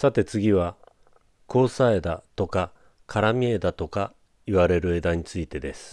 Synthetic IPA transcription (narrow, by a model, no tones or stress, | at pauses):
sat̪e̞t͡sɨɡʲiβa | ko̞ːsaed̪at̪o̞ka | kʰaɾamʲied̪at̪o̞ka | iβaɾe̞ɾɯ̟e̞d̪aɲ̟it͡sɨit̪e̞d̪e̞sɨ̥